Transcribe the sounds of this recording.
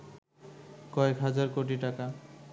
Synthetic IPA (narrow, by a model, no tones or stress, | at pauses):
kɔekɦad͡ʑaɾkoʈ̬iʈaka